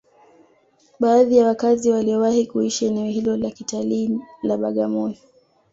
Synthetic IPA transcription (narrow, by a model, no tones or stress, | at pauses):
ɓaːðijawakaziwaliɔwahikuiʃaɛnɛɔhilɔlakitaliːlaɓaɠamɔni